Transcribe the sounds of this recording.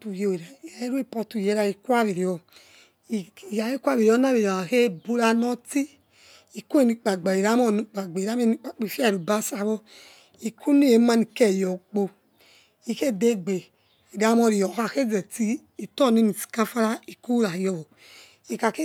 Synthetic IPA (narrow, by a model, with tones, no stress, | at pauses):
tu˨je˨˧˨e˨ɾa˨ja˨e˦ɾu˦i˦˨pɔ˧tu˨je˧˦ɾa˧i˨kwa˦βi˨ɾi˨ɔ˨ | i˨ja˨ji˦kʷa˦βi˨ɾi˨ɔ˨˦na˦bi˨a˨a˨he˦bu˧ɾa˧nɔ˦ti˦ | i˨ku˦e˨ni˧˨k͡pa˨ɡ͡ba˨i˨ɾa˦mɔ˦˨nu˨˧k͡pa˨ɡ͡be˨ɾa˨˦m˦e˦ni˧˦k͡pa˨k͡pi˨fa˦˨ɾu˨ba˦sa˧˦βɔ˧ | i˨kʰu˦ni˦je˨˦ma˧ni˨ke˨jɔ˨k͡po˧ | i˨ke˦˨de˦ɡ͡be˨ | i˨da˨˦mɔ˧ɾi˨jɔ˨a˧˨ke˦zɛ˨ti˧˦i˨tɔ˦˨ne˨˦ni˨si̥˨ka˦fa˦ɾa˦i˨ku˦ɾa˨jɔ˧wɔ˨ | i˨ka˨ke˦